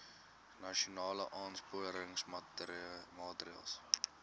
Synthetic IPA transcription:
nɐʃionɑːlə̰ʔɑːnspuəɾəŋs | mɑːtəɾiɑ̰ːlˠs

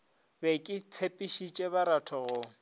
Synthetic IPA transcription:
bɛkʼɪt͡sʰepʼiʃit͡ʃʼɛbaɾatʰɔɣʊ

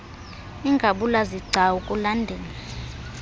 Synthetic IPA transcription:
iŋɡʱaɓulaziɡ͡ǀʱaukʼulandʱeːni

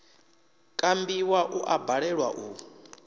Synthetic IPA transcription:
kʼambiwaʔuʔabaɺɛɺwa̰ʔu

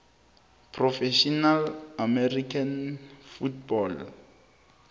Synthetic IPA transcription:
pʰrɔfɛʃɔnalamɛrikʰanfutbɔl

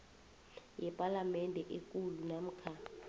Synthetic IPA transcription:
jɛpʼalamɛndʱɛʔekʼulunam̩kʰa

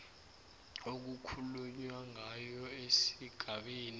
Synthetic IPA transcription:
ok̬ukʰuluɲwaŋajɔesiɡ̥ʱaɓiːni

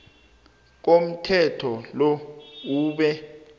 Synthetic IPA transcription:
k̬om̩tʰɛtʰɔlɔuːɓɛ

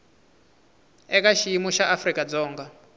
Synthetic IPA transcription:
ɛk̬ʼaʃiimuʃaʔafrikʼad͡zɔːŋɡa

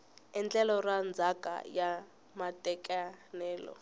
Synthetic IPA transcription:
ɛnt͡ɬɛlɔrand͡zʱakʼa̰ja | matʼɛkʼɛnɛːlɔ̰

